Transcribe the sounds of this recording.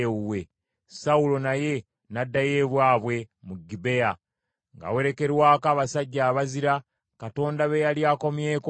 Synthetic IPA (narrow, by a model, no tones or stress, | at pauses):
uwe̞ | saulo̞naje̞ | nadːaje̞ːβwaːβwe̞muɡibe̞ja | ŋɡa̰we̞ɾe̞ke̞ɾwaːkaːβasaɟːaːβaziɾa | kato̞ːndaβejaljaːko̞mje̞ːk